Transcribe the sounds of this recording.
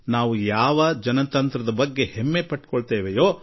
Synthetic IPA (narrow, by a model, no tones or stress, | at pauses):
naːʋujaːʋɐd͡ʒɐnɐt̪ɐnt̪ɾɐd̪ɐbɐɡːe̞hemːepɐʈːkoɭt̪eːʋejoː